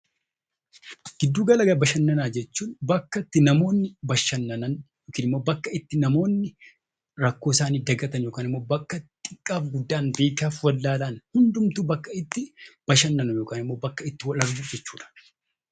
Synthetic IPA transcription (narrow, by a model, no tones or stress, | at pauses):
ɡ̥ɪd̪ːuːɡɐlɐɡɐbɐʃɐnːɐnaːd͡ʒɛt͡ʃːuːnbɐkːɐt̪ːɪnɐmo̞ːnːɪbɐʃɐnːɐnɐnjoːkiːnɪmːo̞ːbɐkːɐɪt̪ːɪnɐmo̞ːnːɪ | ɾɐkːoːɪsaːniːd̪ɐɡɐt̪ɐnjo̞ːkaːnɪmːo̞ːbɐkːɐt̪ʼɪkʼːaːfɡʊd̪ːaːnbe̞ːkaːfwɐlːaːlaːnhʊnd̪ʊmt̪uːbɐkːɐɪt̪ːɪb̥ɐʃɐnːɐnʊjoːkaːnɪmːo̞ːbɐkːɐɪt̪ːɪwɐlɐɾɡud͡ʒɛt͡ʃːu̥ːᶑɐ̥